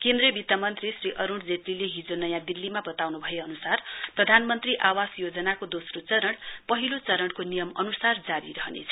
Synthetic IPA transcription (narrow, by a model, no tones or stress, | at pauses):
kend̪ɾʌbit̪amʌnt̪risriʔʌɾuɳɽd͡zet̪rileɦid͡zonʌjãd̪ilːimabʌt̪awnubʱʌeʌnusarprʌd̪ʱanmʌnt̪riʔawasjod͡zʌnakod̪osrot͡sʌɾʌɽpʌɦilot͡sʌɾʌɽkonijʌmʌ̰nusard͡zaɾḭɾʌɦʌnḛt͡sʰʌ